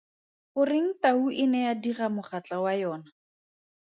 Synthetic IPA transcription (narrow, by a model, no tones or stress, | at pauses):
χʊrɪŋ̩tauʔɪnɛadiχamʊχat͡ɬawajɔːna